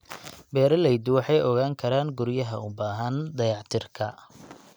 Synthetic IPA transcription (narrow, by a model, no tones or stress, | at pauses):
bɛːɾɐlɛjd̪ʊwɑħɑjɔɣaːŋkʰɐɾaːŋɡʊɾjɐɦɐ̰ʊbaːɦɐnd̪ɐjɑʕt̪ʰɪrkʰɐ